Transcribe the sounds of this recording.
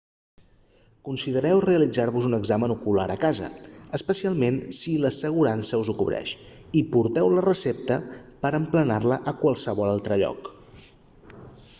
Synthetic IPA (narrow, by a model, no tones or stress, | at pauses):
kunsiðəɾɛwreəlid͡zaɾβuzunəɡzamənukulaɾəkazə̰əspəsialˠmensiləsəɣ̞uɾansəuzukuβɾɛ̰ʃ | ipuɾt̪ɛwlərəsep̚t̪əpəɾəmplənarləʔəkwalˠsəβɔlalˠt̪ɾəʎɔ̰k